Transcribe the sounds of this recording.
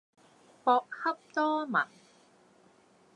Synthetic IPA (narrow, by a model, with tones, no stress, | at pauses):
pɔː˧k̚hɐ˥p̚t̪ɔː˥mɐ̰˨˩n